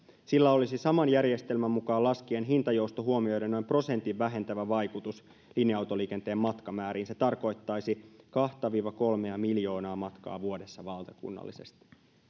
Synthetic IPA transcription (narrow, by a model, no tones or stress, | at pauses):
silːæo̞lisisɑmɑnjærje̞st̪e̞lmæmːukɑːlɑskienɦint̪ɑjowst̪oɦuomiojdenːo̞jmpro̞se̞nt̪iʋːæɦe̞nt̪æʋæʋɑjkut̪us | linjɑwt̪o̞liːke̞nt̪e̞ːmmɑt̪kɑmæːɾiːnse̞t̪ɑrko̞jt̪ːɑjsikɑht̪ɑʋiːʋɑko̞lme̞æmiljo̞ːnɑːmɑt̪kɑ̰ːʋuo̞de̞sːɑʋɑlt̪ɑkṵnːɑ̰lːḭse̞̰st̪i̥